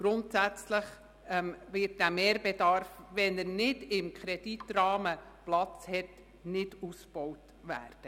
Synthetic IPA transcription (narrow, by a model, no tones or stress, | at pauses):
ɡ̥ɾʊntsæt͡sləχ | ɛmvɪt̚dæmeːɾbedɑɾfʋɛnəɾnɪdɪmkχɾɛd̥itrɑːməplɑt͡shɛt | nɪd̥usb̥ɔwt | ʋæ̰ːrd̥ə